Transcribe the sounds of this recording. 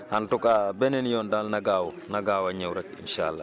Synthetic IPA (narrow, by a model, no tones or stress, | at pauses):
hantukabɛnɛnjɔndalnaɡaːwɔ | naɡaːwaɲawɾɛkḭnʃa̰lːa